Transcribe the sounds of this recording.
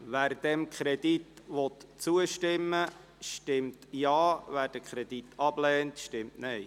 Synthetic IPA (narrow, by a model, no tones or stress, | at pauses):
ʋæːɾd̥ɛmkʰɾɛdit̪ʋɔt̪t͡suəʃtɪmːə | ʃtɪmtjɑːvæːɾd̥əkʰɾɛditʰɑb̥lɛːntʃtɪmtnɛɪ